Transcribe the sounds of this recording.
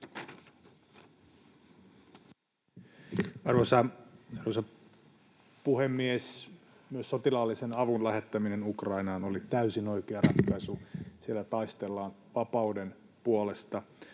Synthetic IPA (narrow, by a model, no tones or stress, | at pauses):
ɑrʋosɑɑrʋosɑ | puhemːies | myøsːot̪ilɑlːisenɑʋunlæhet̪ːæminenukrɑinɑːnolit̪æysino̞ikeɑrɑt̪kːɑsusielːæt̪ɑist̪elːɑːn | ʋɑpɑuden | puole̞st̪ɑ